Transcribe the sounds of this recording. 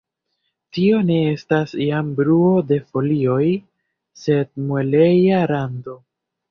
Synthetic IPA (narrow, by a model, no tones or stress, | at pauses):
tio̞ne̞e̞stasijambɾuo̞de̞fo̞lio̞j | se̞d̚mwele̞jaɾando̞